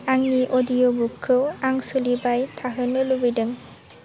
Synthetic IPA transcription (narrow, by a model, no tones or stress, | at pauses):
aŋniʔɔdijobukʰːɯwaŋsɯlibajt̪ʰaɦɯnɯlubɯdɯŋ